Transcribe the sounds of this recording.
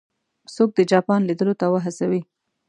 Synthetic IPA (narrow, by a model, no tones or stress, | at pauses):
sok̚d̪əd͡ʒɑpɑnlid̪əlot̪awəɦasawi